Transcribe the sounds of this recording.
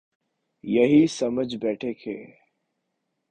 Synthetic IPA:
jɐɦisɐməd͡ʒbɛːʈʰekʰḛː

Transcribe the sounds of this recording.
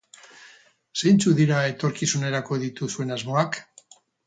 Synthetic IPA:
sejnt͡suðiɾae̞t̪o̞ɾkisune̞ɾako̞ðit̪usue̞nazmo̞ak

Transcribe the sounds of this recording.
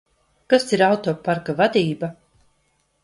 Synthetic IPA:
kasiɾawt̪oːpaɾkavad̪iːba

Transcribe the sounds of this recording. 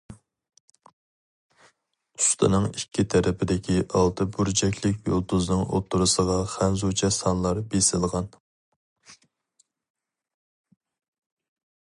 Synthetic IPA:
ust̪ʰɨ̰nɨŋikʲʰːit̪ʰæɾʔɪpʰɪd̪ɪkʲʰiʔɑlˠt̪ʰɨbyɾd͡ʒɛkʲʰlɪkʲjo̰lˠd̪uznɨŋo̰t̪ʰːuɾɨsəʁɑχænzut͡ʃʰɛsɑnlˠɑɾbesɪlˠʁɑn

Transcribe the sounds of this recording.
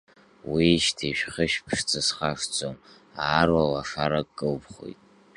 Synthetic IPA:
wiʃtʰiʃᶣχəʃpʰʂt͡sʰʼɨsχaʂt͡sʼom | aːrwalaʂaɾakʼkʼːɨlbχo̰jtʼ

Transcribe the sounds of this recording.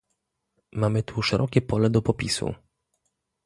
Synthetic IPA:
mamɘt̪ʰuʂɛɾʔɔkʲɛpɔlɛd̪ɔpɔpʲisṵ

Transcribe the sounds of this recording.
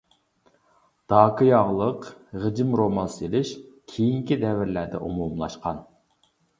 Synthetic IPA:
d̪̥ɑːkʰɨjɑʁlˠəqʁəd͡ʒɪmɾomɑlˠselɪʃ | kʲʰejiŋkʲid̪ɛvɪɾlæɾd̪ɛ̰ʔomumlˠɑ̰ʃqʰɑn

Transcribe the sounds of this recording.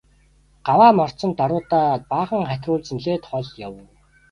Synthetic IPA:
ɢ̥awaːmɔr̥t͡sɞ̆nt̪ːaɾʊːt̪aːpaːχə̆ŋχæt̪ʲrʊːɮt͡ɕniɮeːt̪χɔɮjaw

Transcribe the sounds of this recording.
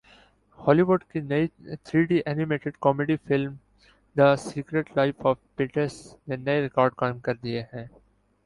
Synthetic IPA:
hɔːliʋʊɖkinɐit̪ʰɾiːɖiʔɛːnɪmeːʈɪɖkɔːmeɖifɪlm | d̪əsiːkɾeʈlaɪfɔːʋpiːʈəɾsnenɐeɾɪkɔːɾɖkaːɪ̃mkɐɾd̪ieɦɛ̃ː

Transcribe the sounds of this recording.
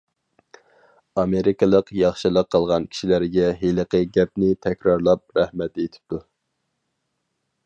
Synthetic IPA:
ɑmeɾikɨlˠəqjɑχʃɨlˠəqʰːəlˠʁɑnkʲʰi̥ʃilæɾɡʲɛɦeləqəɡʲɛp̚nɪt̪ʰɛkʲɾɑɾlˠɑp̚ɾæhmɛt̪et̪ʰɪ̥p̚t̪u

